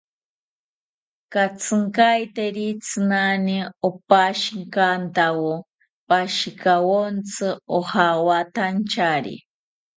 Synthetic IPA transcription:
kat͡sʰɨŋkajt̪eɾit͡sʰɨnaniopaʃiŋkant̪awo | paʃikawont͡sʰɨohawat̪ant͡ʃaɾḭ

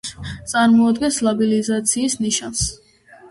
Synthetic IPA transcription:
t̪sʼaɾmɔad̪ɡɛnslabilizat̪sʰiːsniʃans

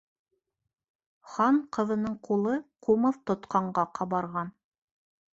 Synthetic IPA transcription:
χɑɴqɤ̆ðɤ̆nɤɴqulˠɤqʰumɤðt̪ŏt̪qɑɴɢɑqʰɑβɑɾʁɑn

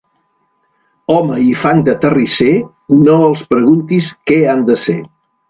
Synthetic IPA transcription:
ɔməifaŋd̪ət̪ərise | noəlˠspɾəɣunt̪iskɛand̪əse

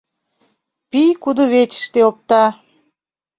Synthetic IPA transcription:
pijkud̪oβet͡ɕə̥ʃt̪eop̚t̪ɑ

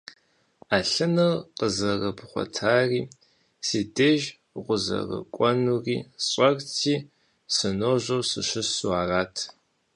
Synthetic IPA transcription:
aːɬɨnɨrqəzɐrɐbʰχʷɔ̰tʰaːriː | siːdɐʒ | ʁʷʊzɐ̰rɐ̰kʷʼɔnuːriːɕʼɐrtʰiː | sɨnoːʑɐwsɨɕɪsuaːraːtʰ

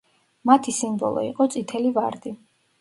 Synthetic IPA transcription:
mat̪ʰisimbɔ̰lˠɔ̰ḭqʼɔt̪sʼit̪ʰɛliva̰ɾd̪i

